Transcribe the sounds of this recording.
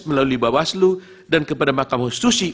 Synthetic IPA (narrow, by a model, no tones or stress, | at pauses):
məlaluibawaslu | dankəpadamakamhust̪usi